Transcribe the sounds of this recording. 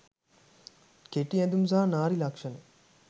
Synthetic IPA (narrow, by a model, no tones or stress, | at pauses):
keʈiɐd̪umzaːnaːɾilɐkʂɐni